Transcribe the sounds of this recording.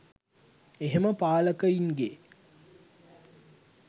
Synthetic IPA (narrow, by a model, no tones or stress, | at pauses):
eɦeməpaːləkəiŋɡe